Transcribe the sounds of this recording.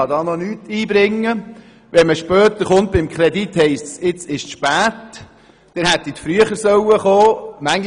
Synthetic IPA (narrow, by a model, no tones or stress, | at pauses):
ɑd̪ɑːnɔnyːt̪iːbɾɪŋːə | ʋɛnməʃpœːt̪əɾχʊnt̪̚b̥ɪmkʰɾedit̪hɛɪstt͡ssɪt͡sɪʃʃpæːt | d̥ɛnhæt̪ːit̪fɾyəχəɾsœwəχoːmæŋ